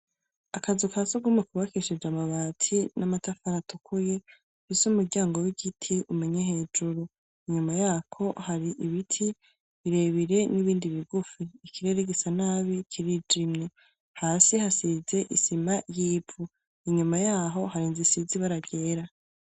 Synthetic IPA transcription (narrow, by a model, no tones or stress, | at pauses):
akazukʰasuɡumwekuβakiʃid͡ʒamaβaːtʰinamatafaɾatukʰuje | fisumuɾɟaːŋɡo̞wiɡitʰiʔumeɲehe̞ːd͡ʒuɾu | iɲumajaːkʰo̞haɾiʔiβitʰi | βiɾe̞βiɾe̞niβiːndiβiɡufiːkiɾe̞ɾeɡesanaβikʰiɾid͡ʒimɲe | haːsihasize̞ʔḭsimajiːbu | iɲumajaːɦo̞haɾiːnzisiziβaɾaɡe̞ːɾa